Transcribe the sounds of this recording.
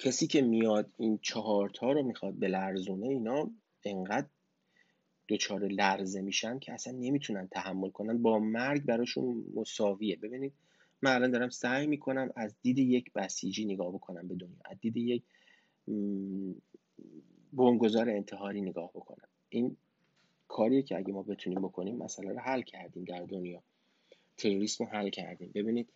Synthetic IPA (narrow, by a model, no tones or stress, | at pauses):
cʰesiːcʰe̞mijɒːd̪int͡ʃʰɒɦɒːɾt̪ʰɒːɾomixɒːd̪̚be̞læɾzuːne̞iːnɒː | e̞ŋɢæd̪̚ | d̪̥o̞t͡ʃʰɒːɾe̞læɾze̞miːʃænd̪̚cʰeæsænːe̞miːt̪ʰunænt̪ʰæhæmːo̞lkʰo̞nænbɒːmæɾɡbæɾɒːʃṵnmo̞sɒːviːebe̞biːniːd̪̥̚ | mænælɒːnd̪ɒːɾæmsæːjmiːkʰo̞næmæzd̪iːd̪ejecʰb̥æsiːd͡ʒiːneɡɒːhbo̞kʰo̞næmbe̞d̪o̞njɒ̰ːʔæzd̪iːd̪ejec | boŋɡo̞zɒːɾeːnt̪ʰeɦɒːɾiːneɡɒːhb̥o̞kʰo̞̰næ̰m | ʔin | kʰɒːɾijecʰeæɟemɒːbe̞t̪ʰuniːmbo̞kʰo̞niːmːʔæ̰sælæɾoɦælcʰæɾd̪iːmd̪æɾd̪o̞njɒː | t̪ʰe̞ɾoɾiːsmohælːcʰæ̰ɾd̪iːmbe̞biːniːd̪̥